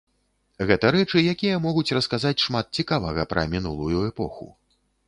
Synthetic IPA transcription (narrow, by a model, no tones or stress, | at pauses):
ɣɛt̪ɐɾɛt͡ʂɨjakʲijɐmɔɣut͡sʲrɐskazat͡sʲʂmat̪̚t͡sʲikavɐɣɐpɾɐ̰mʲinulˠujuɛpɔxṵ